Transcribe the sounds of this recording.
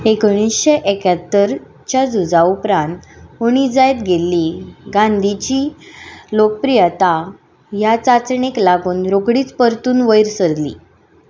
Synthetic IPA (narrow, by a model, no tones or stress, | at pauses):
ekɽ̃isɕeʔekat̪ːəɾ | t͡ɕjad͡zud͡zaupɾãnt̪uɽ̃id͡zajt̪ɡelːiɡãnd̪ʱit͡ɕiːlok̚pɾijət̪a | jat͡sat͡sɳeklaɡuːnɾoɡɽiːt͡spəɾt̪uːnʋəjɾsəɾd̪lḭː